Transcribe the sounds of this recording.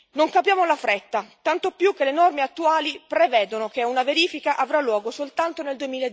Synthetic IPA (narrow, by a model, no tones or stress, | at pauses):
noŋkapjaːmolafɾet̪ːat̪ant̪opjuk̟ːelenɔrmeat̪ːuaːlipɾevɛːd̪onokeunaveɾiːfikaʔavɾalːwɔːɡosolt̪ant̪oneld̪uemiːled̪